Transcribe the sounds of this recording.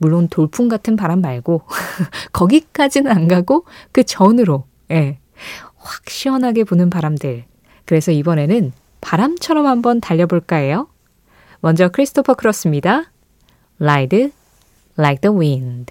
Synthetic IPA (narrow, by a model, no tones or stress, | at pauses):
muɭːontoɭpʰuŋɡatʰɯnpaɾamːaɭɡo | kʌɡik͈ad͡ʑinnaŋɡaɡokɯt͡ɕʌnɯɾo | je̞ | ɸwḁk̚ɕ͈iwʌnɦaɡe̞ponɯnpaɾamdɯɭ | kɯɾe̞sʰʌibʌne̞nɯn | paɾamt͡ɕʰʌɾʌmhambʌntaʎːʌboɭk͈ae̞jo | mʌnd͡ʑʌkʰɯɾisʰɯ̥tʰopʰʌkʰɯɾʌs͈ɯmɲida | laidɯ | lːajk̚dʌwind